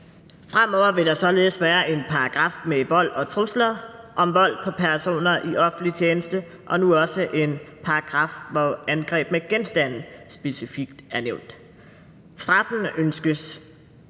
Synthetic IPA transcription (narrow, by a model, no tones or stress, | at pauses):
fʁam̰ɒʊ̰ɐʋe̝ɾ̥ɑ̈sɒ̽le̝ːð̩ˠsʋæːɐʔe̝npʰɑ̈ɑ̈ɡ̥ʁɑ̈fmeʋɒ̽l̰ɒ̽t͡sʰʁuslɐʔɒ̽mʋɒ̽l̰pʰɒ̽pʰæɐso̝̰ːnɐʔiʔɒ̽fn̩lit͡ɕʰjeːnəsd̥ə | ʔɒ̽nuɒ̽səʔe̝npʰɑ̈ɑɡ̥ʁɑ̈fʋɒænɡ̥ʁɛ̰ːb̥meɡ̥ensd̥æn̰̩sb̥e̝sifiɡ̥d̥æɐneʊ̰nd̥ | sd̥ʁɑ̈fn̩ønsɡ̥əs